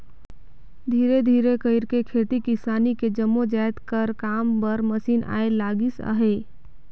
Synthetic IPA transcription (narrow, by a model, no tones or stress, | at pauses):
d̪ʱiɾed̪ʱiɾekəɪɾkekʰeʈ̪ikisaniked͡ʒəmːod͡ʒajt̪kəɾkampəɾməsinʔa̰elaɡisə̰ɦe